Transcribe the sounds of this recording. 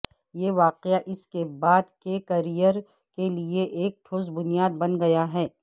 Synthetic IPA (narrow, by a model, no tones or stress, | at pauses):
jeʋaːqeaʔɪskebaːd̪kekɐɾijəɾ | kelieʔeːk̚ʈʰoːzbʊnijaːd̪̚bɐnɡɐjaɦɛː